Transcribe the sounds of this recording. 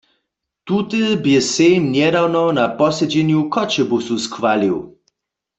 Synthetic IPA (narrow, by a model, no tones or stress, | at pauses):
t̪ut̪ɨbjɛsɛjmnjɛdawnɔnapɔsɛd͡ʑɛnjukʰɔt͡ɕɛbususkwaliw